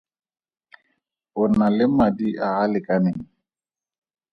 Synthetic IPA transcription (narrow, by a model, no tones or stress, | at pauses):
ʊnalɪmadiʔaːlɪkʼanɪŋ̩